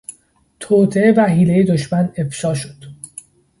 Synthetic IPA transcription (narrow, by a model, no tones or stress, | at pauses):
t̪ʰoːt̪ʰeevæɦiːlejed̪oʃmæne̞fʃɒːʃod̪̥